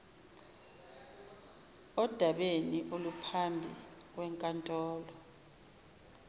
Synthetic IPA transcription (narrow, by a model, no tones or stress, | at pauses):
ɔd̥ʱaɓeniʔolupʰambʱḭk̬wɛŋkʼantʼɔːlɔ